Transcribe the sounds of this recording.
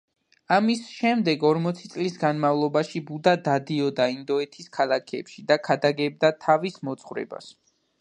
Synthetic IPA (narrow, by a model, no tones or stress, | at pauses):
amisʃɛmd̪ɛɡɔɾmɔt̪sʰit̪sʼlisɡanmavlˠɔbaʃibud̪ad̪ad̪iɔd̪aind̪ɔɛt̪ʰiskʰalˠakʰɛpʃid̪akʰad̪aɡɛb̚d̪at̪ʰavismɔt̪sʰχwɾɛ̰ba̰s